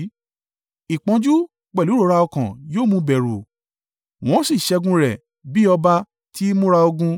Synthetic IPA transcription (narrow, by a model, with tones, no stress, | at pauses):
i˨k͡pã˨˧d͡ʒu˦ | k͡pɛ˨lu˨˦ɾo˨˧˦ɾa˧ɔ˧kã˨joː˦˨mũ˧bɛ˨ɾṵ˨ | w̃ɔ̃˦si˦˨ʃɛ˧ɡũ˧ɾɛ˨ | bi˦ɔ˧ba˧ | ti˦mũ˦ɾa˧o˧ɡũ˧